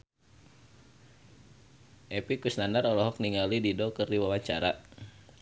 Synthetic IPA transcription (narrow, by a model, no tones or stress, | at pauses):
ʔɛpikusnanaɾɔlɔɦɔk̚niŋalididɔkɨrdiwawaɲt͡ʃa̰ɾa̰